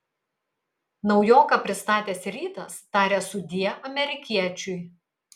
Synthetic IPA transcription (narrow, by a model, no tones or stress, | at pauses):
nɒʊjoːkɑpʲɾʲɪst̪ɑːt̪ʲeːsʲɾʲiːt̪ɐst̪ɑːɾʲeːsʊd̪ʲiɛʔɐmʲɛɾʲɪkʲiɛt͡ʃʲʊj